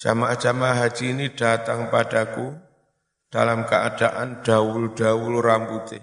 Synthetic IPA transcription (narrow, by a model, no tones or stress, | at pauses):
d͡ʒ̥amaʔad͡ʒamaɦḁd͡ʒiːniɖ̥at̪aŋpadaku | d̥alamkəʔad̥aʔanɖ̥auld̥auluramput̪ɪ